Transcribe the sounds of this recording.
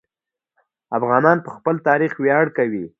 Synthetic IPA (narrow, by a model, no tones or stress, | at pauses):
afɣɑnɑnpəxpəlt̪ɑɾixwjɑɽkawi